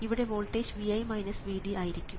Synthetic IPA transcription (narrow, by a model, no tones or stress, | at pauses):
iʋiɽe̞ʋoːlʈːeːd͡ʑʋiɐjmɐjnɐsʋiːɽiaːjiɾikʲːum